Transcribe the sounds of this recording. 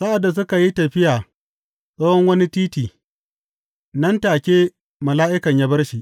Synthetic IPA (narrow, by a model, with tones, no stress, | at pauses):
sa˦ʔa˨dːa˨s̬ʊ˦ka˨ji˦tɐ˨ɸɪ˦jaː˨ | sʼɐː˦hɔ˦ŋwɐ˦ni˦tiː˦tiː˨ | nɐ˦ntaː˨kʲeː˦ | mɐ˨laː˦ʔɪ˦kɐ˨ɲjaː˦bɐ˦rʃi˨ʔ